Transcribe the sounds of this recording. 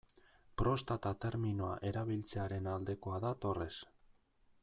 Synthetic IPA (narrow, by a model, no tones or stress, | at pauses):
pɾo̞st̪at̪at̪e̞ɾminoa̰ʔe̞ɾaβ̞ilt͡se̞aɾe̞nald̪e̞ko̞aðat̪o̞re̞s